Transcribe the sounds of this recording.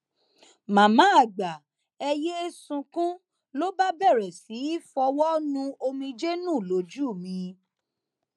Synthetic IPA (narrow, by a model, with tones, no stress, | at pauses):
mã˨mã˨˦a˦˨ɡ͡ba˨ | ɛ˧je˦sũ˧kũ˦ | lo˦ba˦bɛ˦˨ɾɛ˨si˨˦i˦fɔ˧wɔ˦nũ˧o˧mĩ˧d͡ʒe˦nũ˦˨lo˨˦d͡ʒu˦˨mĩ˧